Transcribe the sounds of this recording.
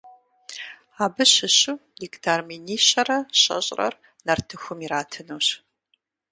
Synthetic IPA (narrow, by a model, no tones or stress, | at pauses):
aːbɨɕɪɕʊdiktʰarminiːɕɐrɐɕɐ̰ɕʼrɐ̰r | nɐrtʰɨxʷʊmiɾaːtʰɨnuːɕ